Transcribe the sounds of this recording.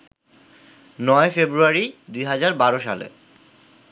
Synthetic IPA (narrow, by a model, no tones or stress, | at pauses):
nɔefebɾuaɾid̪ujɦad͡ʑaɾbaɾoʃa̰lḛ